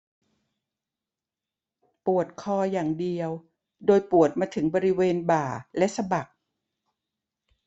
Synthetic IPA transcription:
pu˨˩ət̪̚kʰɔː˧jaː˨˩ŋdi˧əw | doː˧jpu˨˩ət̪̚maː˧t̪ʰɯ˩˦ŋbɔː˧ɾi˦˥weː˧nbaː˨˩lɛ˦˥ʔsa˧ba˨˩k̚

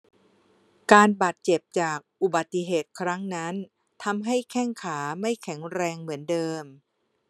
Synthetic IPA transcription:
kaː˧nbaː˨˩t̪̚t͡ɕe˨˩p̚t͡ɕaː˨˩k̚ʔu˨˩ba˨˩t̪ːi˧˩ɦeː˨˩t̪̚kʰɾa˦˥ŋna˦˥n | t̪ʰa˧mɦa˥˩jkʰɛ˥˩ŋkʰaː˩˦ma˥˩jkʰɛ˩˦ŋɾɛː˧ŋmɯ˩˦əndɤː˧m

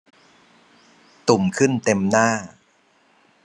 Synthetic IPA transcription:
t̪u˨˩mkʰɯ˥˩nt̪e˧mnaː˥˩

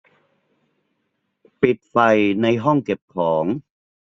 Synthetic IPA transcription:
pi˨˩t̪̚fa˨˩jna˧jɦɔ˥˩ŋke˨˩p̚kʰɔː˩˦ŋ

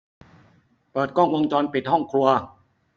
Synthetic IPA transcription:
pɤː˨˩t̪̚kɔ˥˩ŋwo˧ŋt͡ɕɔː˧npi˨˩hɔ˥˩ŋkʰɾu˧ɐ

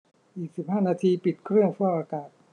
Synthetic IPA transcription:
ʔiː˨˩k̚si˨˩p̚ɦaː˥˩naː˧t̪ʰiː˧pi˨˩t̪̚kʰɾɯ˥˩əŋfʰu˥˩əʔaː˧kaː˨˩t̪̚

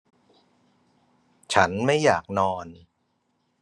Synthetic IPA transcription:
t͡ɕʰa˦˥nma˥˩jːaː˨˩k̚nɔː˧n

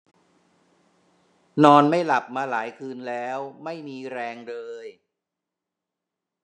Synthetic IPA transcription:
nɔː˧nma˥˩jla˨˩p̚maː˧laː˩˦jkʰɯː˧nlɛː˦˥wma˥˩jmiː˧ɾɛː˧ŋlɤː˧j

